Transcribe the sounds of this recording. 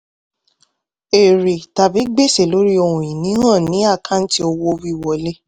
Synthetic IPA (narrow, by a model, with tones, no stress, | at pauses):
e˨ɾe˨ta˨bi˨˦ɡ͡be˦˨se˨lo˨˦ɾi˦o˧hũ˨jĩ˨nĩ˨˦hã˦˨nĩ˨˦a˦˨kʰã˦n̩˦ti˦o˧wo˧wi˦i˧˨wɔ˨le˦